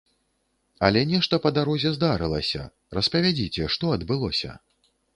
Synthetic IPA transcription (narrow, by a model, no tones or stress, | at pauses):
ɐlʲɛnʲɛʂt̪ɐpɐd̪aɾɔzʲɛzd̪aɾɨlˠɐ̰sʲɐ̰ | ɾrɐspɐvʲad͡zʲit͡sʲɛʂt̪ɔɐd̪bɨlˠɔsʲɐ̰